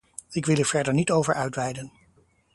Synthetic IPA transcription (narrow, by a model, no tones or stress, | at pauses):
ɪkʋɪlˠɛv̥ɛɹdəɹnitowvəɹœɥtʋɛjdən